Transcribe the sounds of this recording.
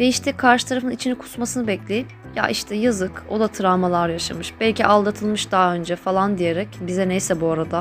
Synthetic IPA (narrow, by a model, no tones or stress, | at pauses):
vɛiʃt̪ʰɛkʰaɾʃɯ̥t̪ʰaɾafɯnit͡ʃʰinikʰu̥smasɯnɯbɛclʲejip̚ | ja̰ʔiʃt̪ʰɛjazɯko̞d̪at̪ʰɯɾaːmalˠaɾjaʃa̰mɯʃb̥ɛlʲciʔalˠd̪at̪ʰɯlˠmɯʃd̪aːø̞nd͡ʒɛfalˠand̪ije̞ɾɛcbizɛnejsɛbuaɾad̪a